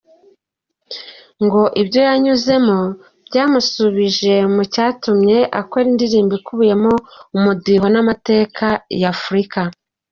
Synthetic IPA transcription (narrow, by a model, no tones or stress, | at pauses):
ŋɡo̞ʔibjo̞jaɲuze̞mo̞ | b̥ɟaːmusuβiʒe̞mucaːtumɲe̞ʔako̞ɾindiɾiːmbikuβuje̞mo̞umudiɦo̞namate̞ːkʰajafuɾika